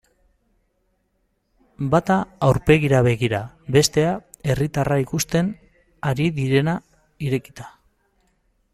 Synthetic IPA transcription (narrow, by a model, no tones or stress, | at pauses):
bat̪aːwɾpe̞ɣiɾaβe̞ɣiɾa | βe̞st̪e̞ae̞rit̪araikust̪e̞n | aɾiðiɾe̞na | iɾe̞ki̥t̪ḁ